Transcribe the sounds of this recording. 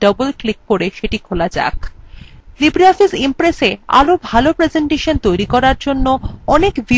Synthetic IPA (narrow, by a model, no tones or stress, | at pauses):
ɖʌbolklikːoɾeʃeʈikʰolad͡ʑa̰k | libɾiɔfisimpɾesea̰lobʱalopɾed͡ʑeɳʈeʃont̪ojɾikɔɾaɾd͡ʑonːoɔnekbi